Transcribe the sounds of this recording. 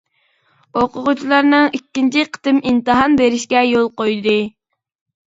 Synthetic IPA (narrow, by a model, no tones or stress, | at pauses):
oqʊʁʊt͡ʃʰilˠɑɾnɨŋikʲːint͡ʃʰiqʰə̥t̪ɨmint̪ɨɦɑnbeɾɪʃkʲɛjolˠqojd̪ɨ